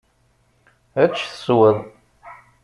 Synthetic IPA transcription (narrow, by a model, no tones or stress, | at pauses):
æt͡ʃːθə̥swəðˤ